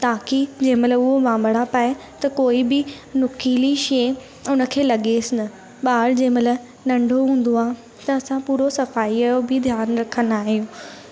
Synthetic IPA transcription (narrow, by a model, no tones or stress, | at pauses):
t̪aːkid͡ʑẽɦɪ̃mɐtləbʊɦoʋãːmbəɽapaːe | t̪ɐkoːibɪ | nʊkiːliʃeː | ʊnə̆kʰeːlɐɠesɪnɐ | ɓaːɽd͡ʑẽːɪ̃mɐt̪ə | nɐ̃ɳɖʱoɦũːn̆d̪oaː | t̪ɐɐsãpuːɾosɐfaːiaːjobɪd̪ʱjaːnɾɐkʰənaːɦijõː